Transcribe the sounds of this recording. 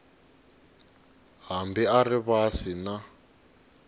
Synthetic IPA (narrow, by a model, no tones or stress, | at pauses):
ɦambiariβasina